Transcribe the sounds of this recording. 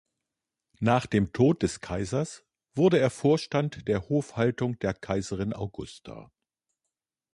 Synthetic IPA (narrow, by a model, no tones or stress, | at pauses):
naːχd̥eːmtʰoːt̚d̥ɛskʰaɪzɐs | v̥ʊɐdəeːɐfoːɐʃtantd̥eːɐhoːfhaltʊŋd̥eːɐkʰaɪzəʁ̞ɪnʔa̰ʊɡʊstʰa̰ː